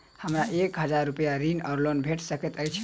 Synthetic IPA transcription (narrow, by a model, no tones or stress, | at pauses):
həmɾaʔekɦəd͡ʒaɾːupəjaɾinəɾlonbʱeʈsəket̪əjt͡ʃʰ